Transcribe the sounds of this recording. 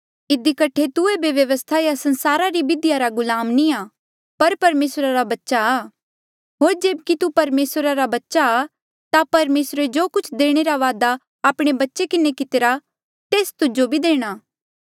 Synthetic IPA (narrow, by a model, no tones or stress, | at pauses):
ɪd̪ikɐʈʰet̪ʊebjɐʋjɐʋəst̪ʰajasɐ̃nsaːɾaɾibɪd̪ɪjaɾaɡʊlaːmnĩaː | pɐɾpɐɾmeːsɾaɾabɐtːʃaː | ɦoːɾd͡ʒeːbkit̪upɐɾmeːsɾaɾabɐtːʃa | t̪apɐɾmeːsɾed͡ʒoːkʊt͡ʃʰd̪eːɽ̃eɾaʋaːd̪a | aːpɽ̃ebɐtːʃekɪnekɪt̪ɪɾa | t̪eːst̪ʊd͡ʒobʱid̪eːɽ̃aː